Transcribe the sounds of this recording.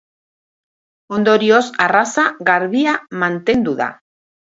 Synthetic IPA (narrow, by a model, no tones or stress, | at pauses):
o̞nd̪o̞ɾio̞sarasaɣaɾβiamant̪e̞nd̪uða̰